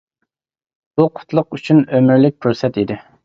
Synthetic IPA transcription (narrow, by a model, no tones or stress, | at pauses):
b̥uqʰʊ̥t̪ʰlˠʊqyt͡ʃʰynømɪɾlɪk̚ʲkʲʰyɾsɛt̪id̪ɪ